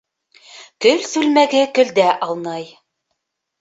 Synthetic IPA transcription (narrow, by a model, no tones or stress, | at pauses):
kɵlsʉlmæɡɘkɵ̆ld̪æʔɑlˠnɑj